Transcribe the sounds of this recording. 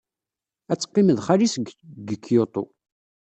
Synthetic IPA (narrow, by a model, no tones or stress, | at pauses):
æt͡sːqːiməðχaɾisɡɡəkʰːjot̪ˤo̰